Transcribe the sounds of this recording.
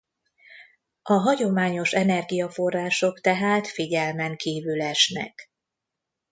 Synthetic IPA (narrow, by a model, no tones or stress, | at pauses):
ɒɦɒɟo̞maːɲo̞ʃɛnɛrɡijɒfo̞rːaːʃo̞kt̪ɛɦaːt̪fiɟɛlmɛŋkiːvylɛʃnɛ̰k